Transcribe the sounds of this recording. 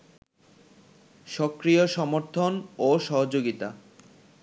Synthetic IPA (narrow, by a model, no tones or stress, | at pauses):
ʃɔkɾijoʃɔmoɾt̪ʰonoʃɔɦod͡ʑoɡit̪a